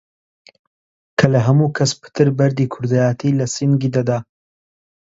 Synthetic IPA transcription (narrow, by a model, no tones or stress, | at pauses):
kʰɐlɐɦɐmukʰɐspʰɨ̥t̪ʰɨɾbɐɾd̪iːkʰʊɾd̪ajaːt̪ʰilɐsinɡid̪ad̪a